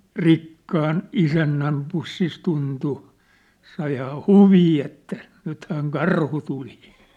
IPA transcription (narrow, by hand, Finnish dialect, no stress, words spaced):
rikːɑːn isænːæm pusːis tuntu sɑihɑː huʋiː etːæ nythæːŋ kɑrhu tuli